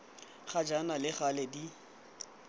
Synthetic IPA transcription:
χad͡ʒanalɪχalɛdi

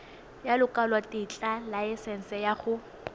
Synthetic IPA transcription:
jalʊkʼalwatʼɪt͡ɬʼalaɪsɛn̩sɛjaχʊ

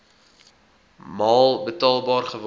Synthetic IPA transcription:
mɑːlˠbətɑːlˠbɑːrχəv

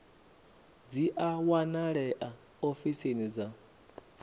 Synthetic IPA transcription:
d͡ziʔawanaɺɛʔa | ofisenid͡za

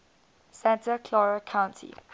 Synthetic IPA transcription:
sɛ̃ntəkʰlɔɹəkʰãw̃ntʰḭ

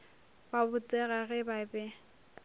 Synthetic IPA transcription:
babʊt͡sʼɛɣaɣɛbabɛ

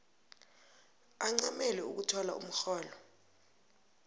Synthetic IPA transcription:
aŋ͡ǀamɛlɛṵk̬utʰɔla̰ṵm̩xɔːlɔ

